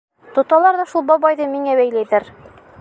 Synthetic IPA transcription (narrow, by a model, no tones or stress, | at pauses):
t̪ŏt̪ɑlˠɑɾðɑʃulˠbɒbɑjðɤmiŋæβæjlæjðɘɾ